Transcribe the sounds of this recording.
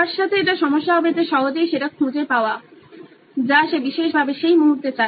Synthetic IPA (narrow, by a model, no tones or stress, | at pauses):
aɾʃːat̪ʰeeʈaʃɔmoʃːaabet̪eʃɔɦod͡ʑejʃeʈakʰũd͡ʑepaoa | d͡ʑaʃebiʃeʃbʱabeʃejmuɦuɾt̪et͡ɕae